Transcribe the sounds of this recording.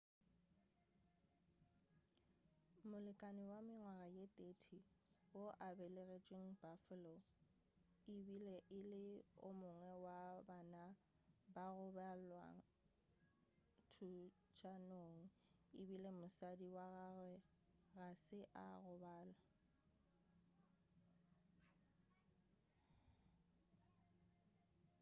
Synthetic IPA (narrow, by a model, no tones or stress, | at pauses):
mʊlɪkʼaniwamɪŋwaɣajetʼeːtʰiwoʔabɛleɣet͡ʃʼweŋ̩bafʊlɔ | ɪbileʔɪlɪʊ̰mʊŋwɛwabaːna | baɣʊbalwa̰ŋ | tʰu | t͡ʃʰʼanoŋ̩ | ɪbilemʊsadiwaɣaɣwɛ | ɣasɪʔa̰ɣʊbaːla